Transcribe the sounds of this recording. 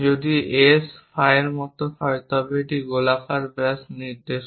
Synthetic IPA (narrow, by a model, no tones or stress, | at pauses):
d͡ʑod̪iesfʰajeɾmɔt̪oɦɔet̪ɔbeʈiɡolafaɾbɾasniɾd̪eʃ